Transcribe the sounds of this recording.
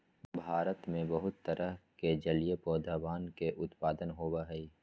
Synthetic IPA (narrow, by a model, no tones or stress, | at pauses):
bʱaːɾət̪mẽbəɦʊt̪ːəɾʔəɦked͡ʒəlijepɔːd̪ʱaːbaːnkeʔʊt̪paːd̪ənɦoːbaɦəi